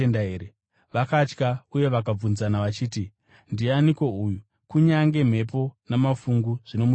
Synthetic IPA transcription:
endaeːɾe | ʋakat͡ʃkauje̞ʋak̬ab͡vunzanaʋat͡ʃiːti | ndianiko̞uju | kuɲaŋɡe̞m̤e̞p̬o̞namafuŋɡuʐ̥ino̞mu

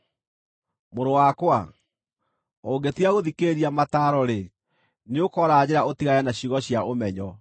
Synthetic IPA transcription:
moɾowakwa | oːŋɡetiaɣoðikeːɾiamataɾɔɾe | neokɔɾad͡ʑeɾaotiɣajanaɕiɣɔɕjaʔomɛɲɔ

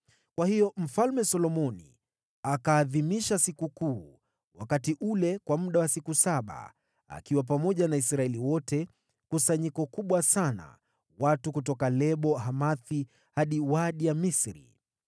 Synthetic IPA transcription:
kwahijɔm̩falmɛsɔlɔmɔnḭ | akaːðimiʃasikukuː | wa̰katiʔulɛkwamuɗawasikusaɓa̰ | a̰kiwap̬amɔʄanaisɾaɛliwɔtɛ | kusaɲikɔkuɓwasana̰ | watukutɔkalɛɓɔɦamaθi | haɗiwaɗijamisɾḭ

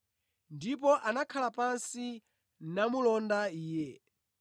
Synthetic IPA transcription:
ndip̬ɔʔanakʰalapansi | namulɔndaiːjɛ

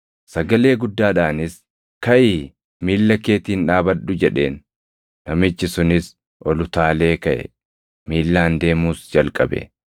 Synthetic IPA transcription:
sɐɡɐle̞ːɡʊd̪ːaːᶑaːnɪs | kɐʔiː | miːlːɐke̞ːt̪iːnᶑaːbɐᶑʊd͡ʒɛᶑe̞̰ːnː | ɐmɪt͡ʃːɪsʊnɪs | ʔɔlʊt̪aːle̞ːkɐʔɛ̰ | miːlːaːnd̪e̞ːmuːsd͡ʒɐlkʼɐ̰bɛ̰

